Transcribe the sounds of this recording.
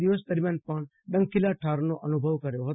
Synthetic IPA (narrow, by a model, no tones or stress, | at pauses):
iʋəsd̪əɾmʲjaːnpɐɳ | ɖə̃ŋkilaʈʰaːɾnoʔənubʱəʋkəɾjoɦ